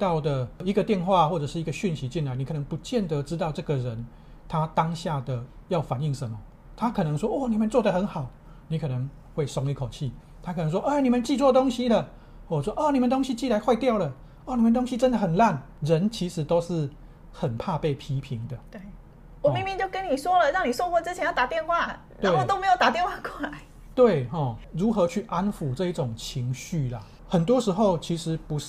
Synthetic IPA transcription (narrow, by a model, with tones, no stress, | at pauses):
t̪ɑ˥˩ʊd̪ə˨˩i˧˥ɡə˨˧t̪jɛ˥˧nxwa˥˧xwɔ˥˩ʈ͡ʂɤ˨˩ʂɻ̩˥˩i˧˦ɡə˧ɕy˥˩nɕi˧˦˥t͡ɕi˥˩nla˧˦ni˨˩kʰːnə˧˦ŋpu˨˧˦t͡ɕjɛ˥˨nd̪ə˨˦ʈ͡ʂɻ̩˦t̪ɑ˥˧ʊʈ͡ʂɤ˥˩ɡə˨ɻə˨˦n | t̪ʰa˦˥t̪a˦ŋɕja˥˩d̪ə˩ja˥˩ʊfa˨˩ni˥˩ŋʂə˨˦mːə˦ | t̪ʰa˦˥kʰɤ˨˩nə˧˦ŋʂwɔ˥ʔwɔ˥˩ni˨˩mə˨˦nt͡swɔ˥˩d̪ə˨xə˧˥nxɑ˨˩ʊ | ni˨˥kʰɤ˨˩nə˧˦ŋ | we˥˩ɪsɔ˥ŋi˥˧kʰo˨˩t͡ɕʰi˥˩ | t̪ʰa˥kʰn˧˦ŋʂwɔ˥ʔe˥˧ni˨˩mə˨nt͡ɕi˥˧t͡swɔ˥˨˧t̪o˥ŋɕi˥lə˨ | wɔ˥˩˨ʂwɔ˥ʔɔ˥˨ni˨˩mə˨nt̪o˥ŋɕi˦˥t͡ɕi˥˩˨la˧˥ɪxwa˥˧ɪt̪jɑ˥˩ʊlə˨ | ɔ˥˩ni˨˩mə˧˦nt̪o˥ŋɕi˦˥ʈ͡ʂə˥˦nd̪ə˨xə˨˩nla˥˨n | ɻə˧˦nt͡ɕʰi˧˥ʂɻ̩˨˦t̪o˥ʊʂɻ̩˥˩ | xə˨˩npʰa˥˧pe˥˩ɪpʰi˥pʰi˧˥ŋd̪ə˨t̪e˥˩ | wɔ˨mi˥˧mi˥˧t͡ɕjo˥˩ʊkə˦nni˨˩ʂwɔ˥lə˨ɻɑ˥˩ŋni˨˩ʂo˥˧ʊxwɔ˧˥t͡sɻ̩˥t͡ɕʰjɛ˧˦jt̪a˨˩t̪jɛ˥˧nxwa˥˩ | tnwe˦˥˩t̪o˥me˧˥ɪjo˨˩ʊt̪a˨˩t̪jɛ˥˧nxwa˥˧kwɔ˥˩la˨˧˦ɪ | t̪we˥˨ɪɦɔ˥˩ɻu˨˥xɤ˧˥t͡ɕʰy˥˩ʔa˦nfu˨˩ʈ͡ʂɤ˥˧i˥˩ʈ͡ʂʊ˨˩ŋt͡ɕʰi˧˦ŋɕy˥˨la˩ | hə˨˩nt̪̬wɔ˦˥ʂɻ̩˧˥xo˥˩ʊt͡ɕʰi˧˥ʂɻ̩˧˦˥pu˨˦